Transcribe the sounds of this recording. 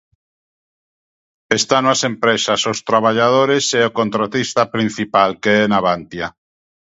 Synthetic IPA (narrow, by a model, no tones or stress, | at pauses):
est̪anoasempɾesasost̪ɾaβ̞aʎað̞oɾeseokont̪ɾat̪ist̪apɾin̟θipalkeenaβant̪ja